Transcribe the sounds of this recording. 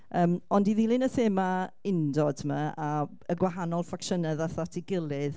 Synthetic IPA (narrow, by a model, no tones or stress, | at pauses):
əːmɔndiðilˠɨnəθeːmaɪndɔd̥ʰmaa | əɡwaɦanɔlˠfakʃənɛðaθatʰiɡɪlˠɨð